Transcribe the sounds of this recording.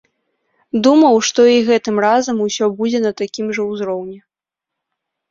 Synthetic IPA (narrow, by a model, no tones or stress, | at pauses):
d̪umɐwʂt̪ɔiɣɛt̪ɨmrazɐmusʲɔbud͡zʲɛnɐt̪akʲimʐɐwzɾɔwnʲɛ